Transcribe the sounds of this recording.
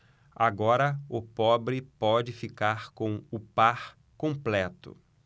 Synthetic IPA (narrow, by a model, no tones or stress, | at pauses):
a̰ɡɔɾɐʊpɔbɾɪpɔd͡ʒɪfikaɾkõw̃ʊpaɾ | kõplɛt̪ʊ̰